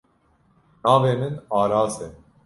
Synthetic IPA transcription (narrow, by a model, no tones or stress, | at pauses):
nɑːveːmɨnɑːɾɑːzɛ